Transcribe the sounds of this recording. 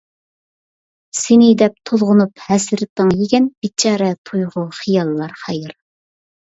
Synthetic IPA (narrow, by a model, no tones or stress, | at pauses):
sɪnɪd̪ɛp̚t̪ʰolˠʁʊnuphɛsɪɾɪt̪ːɨŋjeɡʲɛnb̥it͡ʃʰːɑːɾɛt̪ʰujʁʊχijɑlˠːɑɾχɛjɪɾ